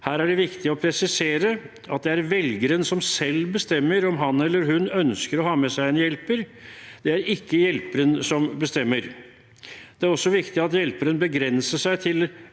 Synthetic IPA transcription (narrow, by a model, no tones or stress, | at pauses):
hæːɾæɖɛʋɪkt̪ɪɔpʰɾɛsɪseːɾə | ʔɑt̪̚d̪ɛæɾʋɛlɡəɾənsɔmsɛlːbəst̪ɛmːəɾɔmɦɑnːɛlːəɾɦʉnœnskəɾɔhɑːmɛsæɪɛnjɛlpəɾd̪̥ɛæɾɪkːəjɛlpəɾənsɔmbəst̪ɛmːəɾ | d̪̥ɛæɾɔsːɔʋɪkt̪ɪɑt̪jɛlpəɾənbəɡɾɛnsəʂæɪt̪ʰɪl